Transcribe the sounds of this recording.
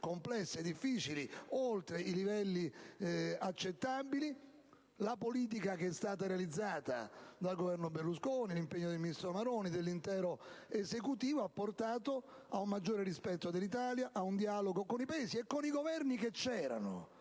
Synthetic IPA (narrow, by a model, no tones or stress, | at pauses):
komplɛsːed̪ːifːiːt͡ʃiliolt̪ɾeilivɛlːi | at͡ʃːet̪ːabili | lapoliːt̪̬ikakeɛst̪aːt̪aɾealid̪zːaːt̪a̰d̪alɡovɛrnoberluskoːnilimpeɲːod̪elminist̪ɾomaɾoːnid̪elːint̪ɛːɾoezekut̪iːvoapːort̪aːt̪o | aummad͡ʒːoːɾerispɛt̪ːod̪elːit̪̬aːljaʔaund̪ialoɡokonipaeːsiekːoniɡovɛrniket͡ʃːɛːɾa̰no